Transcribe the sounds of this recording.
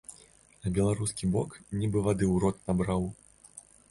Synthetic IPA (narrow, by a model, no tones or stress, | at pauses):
nɐbʲɛlˠaɾuskʲibɔknʲibɨvad̪ɨwɾɔt̪̚nabɾaw